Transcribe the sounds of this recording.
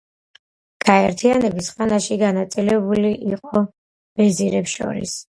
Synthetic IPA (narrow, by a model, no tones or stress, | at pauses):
ɡ̥aɛɾt̪ʰianɛbisχanaʃiɡanat̪sʼilɛbuliʔiqʼɔ | b̥ɛziɾɛpsʃɔ̰ɾḭs